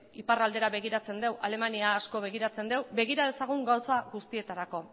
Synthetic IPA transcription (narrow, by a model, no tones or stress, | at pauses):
iparald̪e̞ɾaβe̞ɣ̞iɾat͡se̞nd̪e̞wʔale̞maniaːsko̞βe̞ɣ̞iɾat͡se̞nd̪e̞wbe̞ɣ̞iɾað̞e̞saɣ̞uŋɡawt͡saɣust̪ie̞t̪aɾako̞